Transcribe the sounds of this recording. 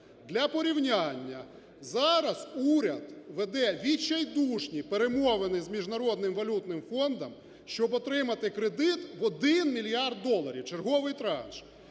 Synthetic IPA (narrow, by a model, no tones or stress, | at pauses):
d̪lʲɐpɔɾʲiwnʲanʲːɐ | zɑɾɐz̥uɾʲɐd̪ʋed̪ɛʋʲit͡ʃːɐjd̪uʃnʲipeɾemɔʋenɪjzmʲiʒnɐɾɔd̪nɪmʋɐlʲut̪nɪmfɔnd̪ɐm | ʃt͡ʃɔbɔt̪ɾɪmɐt̪ɪkɾed̪ɪt̪ʋɔd̪ɪnmʲilʲijɑrd̪̚ːɔlˠɐɾʲiwt͡ʃe̞rɦɔʋɪjt̪ɾɑ̰nʃ